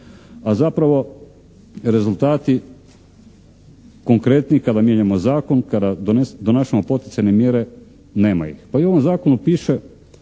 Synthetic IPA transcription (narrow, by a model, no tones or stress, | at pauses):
azapɾaʋo̞ | ɾe̞zult̪aːt̪i | ko̞ŋkɾe̞t̪niikad̪amjeɲamo̞zaːko̞nkad̪ad̪oned̪onaːʃemo̞po̞t̪i̥t̪sajnemjeɾe | neːma̰jḭxpaio̞ʋomzaːkonupiːʃe